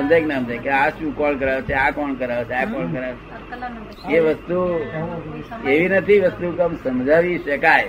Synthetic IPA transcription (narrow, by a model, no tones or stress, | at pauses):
əmd͡ʒajknəəmd͡ʒajkeaʃũkɔlkəɾaʋt͡ʃʰeakɔnkəɾaʋt͡ʃʰeakɔlkəɾaʋt͡ʃʰe | eʋəst̪u | eʋinət̪ʰiʋəst̪ukəmsəmd͡ʒʱaʋiʃəkaj